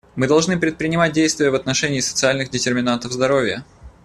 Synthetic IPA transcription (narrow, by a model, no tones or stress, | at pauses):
mɨd̪ɐlˠʐnɨpɾʲɪt̪pɾʲɪnʲɪmat̚dʲejst̪vʲɪjəvɐt̪nɐʂɛnʲɪːsə̥t̪sɨalʲnɨxdʲɪtʲɪrmʲɪnant̪əvzd̪ɐɾovʲɪjə